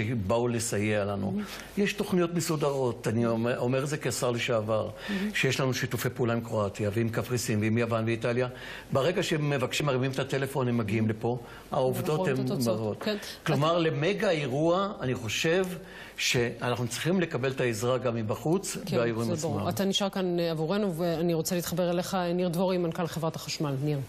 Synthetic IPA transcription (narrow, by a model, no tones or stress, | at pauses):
baulesajealanṵ | jeʃto̞χnijo̞tmesudaʁo̞taniomeʁezekeasaʁliʃaavaʁʃejeʃlanuʃitufejpeulaimkʁoatjaveimkafʁisimveimjavanbeitalja | baʁe̞ɡaʃeme̞vakʃimaʁimimet̪atelefo̞nhemːaɡiimlepo̞ | a̰ovdd̪o̞t̪hembaʁot̪knklomaʁle̞meɡaeʁuaaniχo̞ʃe̞v | ʃe̞anaχnut͡sʁiχimle̞kabe̞lt̪aezʁaɡamːibaχut͡sveajeuimamaat̪aniʃaʁkanavuʁenuveaniʁot͡seliːt̪χabeʁeleχaniʁd̪voʁimankalχevʁat̪ḁχaʃmalniʁ